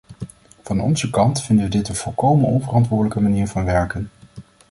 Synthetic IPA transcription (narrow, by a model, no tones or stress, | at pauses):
v̥ɑnɔ̰nzəkɑntfɪndənʋədɪtənv̥ɔlˠkowmənɔnvərɑntʋʊːɹdələkəmaniːɹvɑnʋɛɹkən